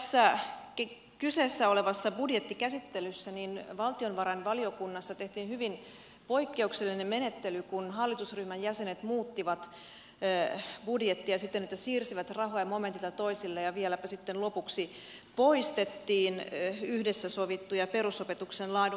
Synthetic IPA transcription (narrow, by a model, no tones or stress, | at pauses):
sːæk | kyseːsːæoleʋɑsːɑbudjet̪ːikæsit̪ːelysːæninʋɑlt̪ionʋɑɾɑinʋɑliokunːɑsːɑt̪eht̪iːnhyʋin | po̞ikːe̞ukselːinemmenet̪ːelykunɦɑlːit̪usryhmænjæsenet̪muːt̪ːiʋɑt̪ː | b̥udjet̪ːiɑsit̪ːenet̪ːæsiːrsiʋæt̪rɑɦojɑmo̞ment̪it̪ɑt̪o̞isilːejɑʋielæpæsit̪ːenlopuksi | po̞ist̪et̪ːiːnyhdesːæsoʋit̪ːujɑpeɾusopet̪uksenlɑin